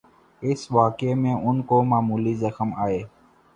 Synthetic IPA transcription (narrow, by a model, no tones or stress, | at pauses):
ɪsʋaːkeːmẽːʔʊnkoːmaːmuːliːzəxmaːeː